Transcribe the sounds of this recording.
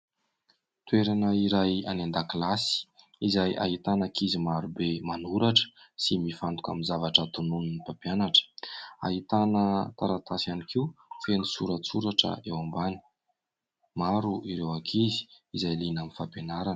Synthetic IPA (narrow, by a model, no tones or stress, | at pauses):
t̪weɾanəiɾaja̰nand̪aklasi̥ | izaja̰ɦit̪anakʰizimaɾubemanuɾaʈ͡ʂə̥simifant̪u̥ka̰minzavaʈ͡ʂət̪ununnipapjanaʈ͡ʂə̥a̰ɦit̪anət̪aɾat̪asianikiwfenisuɾət͡suɾaʈ͡ʂə̰ewambani̥ | maɾuʔiɾewakʰizi̥izajlinaminfapenaɾan